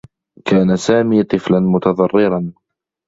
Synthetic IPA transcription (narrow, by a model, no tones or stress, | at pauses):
kaːnasaːmiːt̪ˤɨflanmʊt̪ɑðˤɑrˤːɪɾɑn